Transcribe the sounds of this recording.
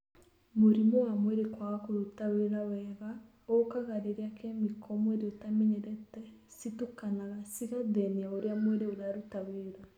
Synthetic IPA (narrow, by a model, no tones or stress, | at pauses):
moɾimɔwamwɛɾekwakoɾutaweɾawɛɣa | okaɣaɾeɾeakɛmikʰɔmweɾeotamɛɲɛɾɛtɛ | situkanaɣasiɣaðɛniaoɾeamwɛɾeoðaɾutaweɾa